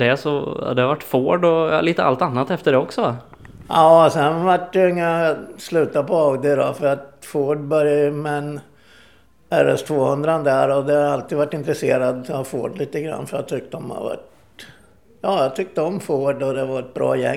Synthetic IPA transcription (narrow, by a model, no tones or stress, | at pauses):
d̪ɛsɔa̰d̪ɛhavaʈːfoːɖɔ̰liːt̪əa̰lt̪anːat̪ɛft̪əɖɛɔksɔva | jɑːsɛnvaʈdɛɪŋːaslʉ̟ːt̪apɔaʊd̪ɪɾɔfœɾat̪foːɖbœɾjamɛn | ɛɾɛ̰st̪ʰvoːhɵnd̪ɾand̪æɾɔd̪ɛhaɾalt̪iːd̪vaʈːɪnt̪ɾɛseːɾad̪hafo̰ːɖliːt̪əɡɾa̰nːfœɾja̰t̪ʰʏk̚t̪əɔmha̰va̰ʈ | jɑːjɑt̪ʰʏk̚t̪əɔmfoːɖɔd̪ɛvaɾɛt̪̚bɾɑ̰ːjɛ̰